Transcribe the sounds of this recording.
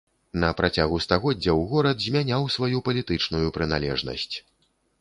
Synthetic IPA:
nɐpɾat͡sʲaɣust̪aɣɔdd͡zʲːɐwɣɔɾɐd̪zʲmʲanʲawsvajupɐlʲit̪ɨt͡ʂnujupɾɨna̰lʲɛ̰ʐnɐ̰sʲt͡sʲ

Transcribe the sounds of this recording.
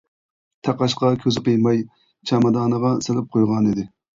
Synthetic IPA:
t̪ʰɑqɑʃqɑkʲʰøzɪqəjmɑj | t͡ʃʰɑmɑd̪ɑːnəʁɑselɪp̚qʰojʁɑnid̪ɪ

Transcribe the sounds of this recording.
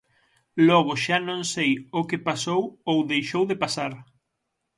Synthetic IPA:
lɔɣ̞ʊʃanõŋsejokepasowowðejʃowðɪpasaɾ

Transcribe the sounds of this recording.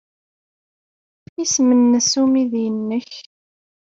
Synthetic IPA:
ismənːəsumiðjənːəç

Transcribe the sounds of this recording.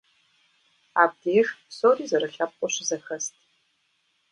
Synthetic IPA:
aːb̚deːxsoːdiːzɐɾɐxʲaːp̚qʷʼɔɕɪzɐxɐstʰʼ

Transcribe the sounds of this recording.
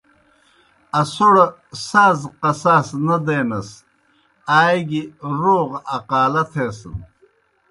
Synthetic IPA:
ɐsoɽɐ | saːzqɐsaːsnɐd̪eːnɐs | aːjɡiɾoːʁɐqaːlɐt̪ʰesə̰n

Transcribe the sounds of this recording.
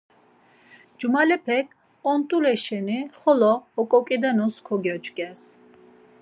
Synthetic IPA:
d͡ʒumalɛpʰɛkʰ | ɔnt̪ʼulɛʃɛniχɔlɔːkʼɔkʼid̪ɛnuskʰɔɡɛt͡ʃʼɡʼɛs

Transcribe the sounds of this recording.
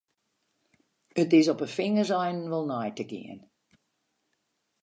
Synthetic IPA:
ətɪsɔpəfɪŋəzɛjnʋəlˠnɔjtəɡɪ̰ən

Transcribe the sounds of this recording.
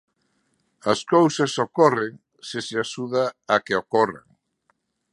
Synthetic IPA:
ɐskowsɐsokɔreŋ | sɪseaʃuðaːkeokɔra̰ŋ

